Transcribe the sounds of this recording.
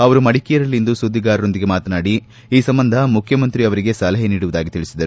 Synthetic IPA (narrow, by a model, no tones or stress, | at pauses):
ɐʋɐɾumɐɽikijɐɾɐlːind̪usud̪ʱːiɡaːɾɐɾo̞nd̪iɡe̞maːt̪ɐnaːɽi | iːsɐmbɐnd̪ʱɐmukʰjɐmɐnt̪ɾiɐʋɐɾiɡe̞sɐlɐɦeniːɽuʋud̪aːɡit̪iɭisid̪ɐɾu